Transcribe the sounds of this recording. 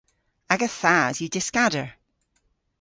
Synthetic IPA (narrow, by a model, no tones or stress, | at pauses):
aɡəθazjədɪskadə˞